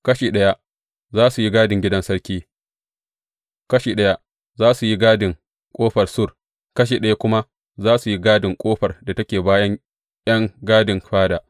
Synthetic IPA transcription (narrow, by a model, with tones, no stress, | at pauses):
kɐ˦ʃiː˨ɗɐ˦ja˦ | zaː˦su˨ji˦ɡaː˦dɪ˨ŋɡʲɪ˦dɐ˦nsɐ˦ɽkʲiː˦ | kɐ˦ʃiː˨ɗɐ˦ja˦ | zaː˦su˨ji˦ɡaː˦dɪ˨ŋ | kʷʼoː˦ɸɐ˨rsʊ˦r | kɐ˦ʃ̬iː˨ɗɐ˦ja˦kʷʊ˦ma˦ | zaː˦su˨ji˦ɡaː˦dɪ˨ŋkʷʼoː˦ɸɐ˨rda˨tɐ˦kʲeː˨baː˦jɐ˦ŋ | jɐ˦ŋɡaː˦dɪ˨ŋɸaː˦daː˨ʔ